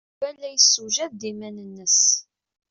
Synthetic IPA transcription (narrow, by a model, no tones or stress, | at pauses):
vælːæjəsːuʒæðd̪imænənːəs